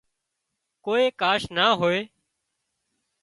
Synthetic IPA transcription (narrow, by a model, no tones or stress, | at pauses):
koːeːkaːʃnaːɦoːeː